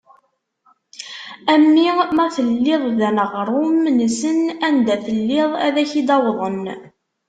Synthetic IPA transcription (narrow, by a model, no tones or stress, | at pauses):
æmːimæθəlːɪðˤðænəʁɾˤʊmnəsənænd̪æθəlːɪðˤæ̰ðæçid̪ɑwðˤən